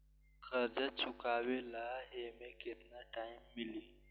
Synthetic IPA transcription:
kʰɐɾd͡ʑɐt͡ʃʰʊkaːwelaːeːmẽkɪt̪naʈaːɪmːɪli

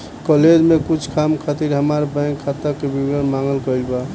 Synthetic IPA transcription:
kɔled͡ʒmekut͡ʃʰkʰamkʰat̪iɾɦəmaɾbɛ̃ŋkʰːat̪akebibɡənmaŋɡəlkəjlba

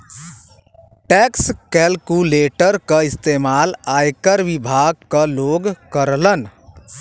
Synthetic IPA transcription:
ʈɛːkskɛlkuleːʈəɾkaɪst̪eːmaːlaːjkəɾʋɪbʱaːɡ̚kaloːɡkəɾlən

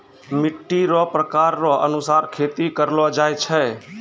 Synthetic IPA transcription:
mɪʈːiɾɔpɾəkaɾːɔʔənʊsaːɾkʰet̪ikəɾlɔd͡ʒajt͡ʃʰɛ

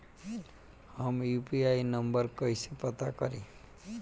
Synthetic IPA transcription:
hʌmjupiajnʌmbʌɾkʌjsipʌt̪akʌɾĩ

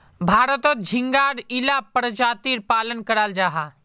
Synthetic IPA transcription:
bʱaːɾət̪od͡ʒʱɪ̃ŋɡaːɽilaːpəɾəd͡ʒaːt̪iːɾpaːlənkəɾaːld͡ʒaːɦaː

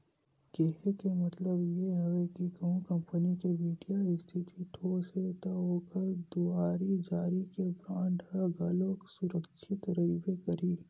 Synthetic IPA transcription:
keɦekemɐt̪ləbjeɦɐʋekikɐɦũkɐ̃mpənikeʋiːɖijaɪst̪ʰɪt̪ʰiʈʰoːset̪aoːkəɾd̪uaːɾid͡ʒaːɾikebaːɳɖɦɐɡɐloːksʊɾəkʃʰɪt̪ɾɐibekɐɾiː

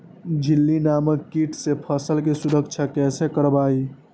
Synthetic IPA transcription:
d͡ʒilːinaməkːiʈʰsepʰəsəlkesuɾəkt͡ʃʰakɛsekəɾbai

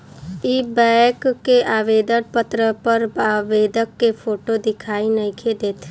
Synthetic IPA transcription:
iːbɛkkːeʔaːʋeːd̪əɽpət̪ɾəpɐɾaːʋeːd̪əkːefʰoːʈod̪ɪkʰaːinɐkʰed̪eːt̪ʰː

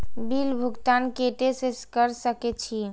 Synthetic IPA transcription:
bilbʱuɡt̪ankeʈeseskəɾsəkɛt͡ʃʰi

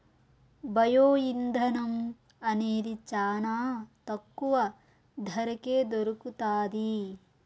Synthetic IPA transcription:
bɐjoːind̪ʱɐnɐm | ɐneːd̪it͡ʃaːnaːt̪ɐkːuʋɐ | d̪ʱɐɾɐkeːd̪oɾukut̪aːd̪i

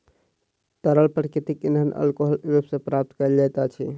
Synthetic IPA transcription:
t̪əɾəlpɾkit̪ikinɦənə̰lkoɦəlepsẽpɾap̚t̪kəld͡ʒajt̪at͡ʃʰḭ

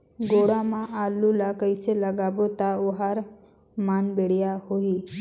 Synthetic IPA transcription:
ɡoɽamãʔalːulakəjseləɡabot̪aoɦaɾ | manbeɽjahoi

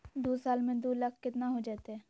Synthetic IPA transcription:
d̪oːsaːlmẽd̪oːlɐkʰkɪt̪naɦod͡ʒaːt̪eɦɛː

